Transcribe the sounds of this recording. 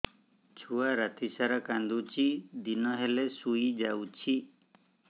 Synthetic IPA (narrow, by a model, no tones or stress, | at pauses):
t͡ʃʰuaɾat̪ʰisaɾakãnd̪ut͡ʃʰid̪inɔɦelesujd͡ʒawt͡ʃʰi